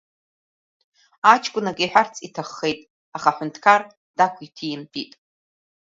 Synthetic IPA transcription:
at͡ʃʰkʷʼʊnakʲʼiħʷᶣart͡sʰʼitʰaχːejtʼ | aχaħʊntʰkʰar | d̥akʷʰitʰijɪmpʼitʼ

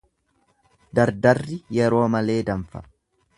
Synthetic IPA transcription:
d̪ɐɾd̪ɐrːɪjɛɾo̞ːmɐle̞ːd̪ɐmfɐ̥̰

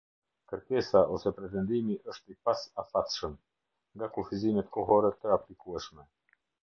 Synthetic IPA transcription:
kəɾkɛsaʔɔsɛpɾɛt̪̬ɛnd̪imiʔəʃt̪ipasafat̪ʃəm | ŋɡakufizinɛt̪kɔɦɔɾɛt̪əaplikuɛʃmɛ

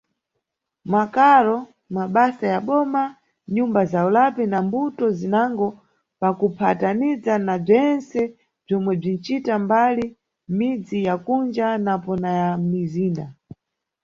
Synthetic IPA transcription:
makaɾɔ | maɓasajaɓɔma | ɲumbazaulapinambutɔzinaŋɡɔ | pakupʰatanizanab͡ʐɛnsɛ | b͡ʐɔmwɛb͡ʐin̩t͡ʃitambali | mid͡zijakund͡ʒanapɔnajamiziːnda

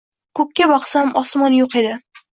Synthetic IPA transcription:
kʰɵp̚ʲkʲːabɒqsamʔɒsmɒnjoqʰed̪ɪ

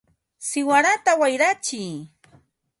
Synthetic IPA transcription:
sɪwaɾat̪awajɾat͡ʃɪj

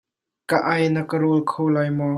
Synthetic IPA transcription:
kəʔɐjnəkəɾolkʰowlajmɔ

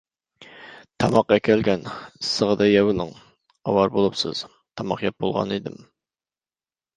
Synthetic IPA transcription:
t̪ʰɑmɑqːɛkʲʰɛlɡʲɛnisːəʁəd̪ɛjɛwɪlˠɨŋ | ɑ̰wɑɾbolˠupsɨ̰z̥ | t̪ʰɑmɑqjɑp̚bolˠʁɑ̰nid̪ɪm

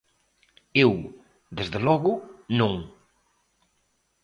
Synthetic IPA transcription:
ew | ðezðelɔɣʊnõŋ

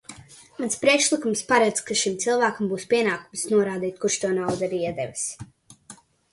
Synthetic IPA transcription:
manspɾiɛkʃlˠikumspaɾad̪zkaʃimt̪silˠvaːkambuːspʲiɛnaːkumsnuɔɾaːd̪iːt̪̚kuɾʃt̪uɔnawd̪aɾiiɛd̪ɛ̰vas

